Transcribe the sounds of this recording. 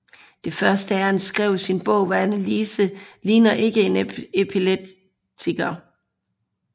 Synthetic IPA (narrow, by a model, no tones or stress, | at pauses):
d̥e̝fɶɐsd̥əæɐhænsɡ̥ʁɛʊ̰sinb̥ɔ̰̽ʊ̰ʋæænæliːsəliːnɐʔe̝ɡ̥əe̝nepʰileb̥̚ | t͡sʰiɡ̥ɐ